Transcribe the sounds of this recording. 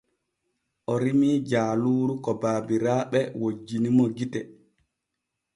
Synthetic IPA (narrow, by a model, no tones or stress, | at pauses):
ʔɔɾimiːd͡ʒaːluːɾukɔbaːbiɾaːɓɛwod͡ʒːinimɔɡitɛ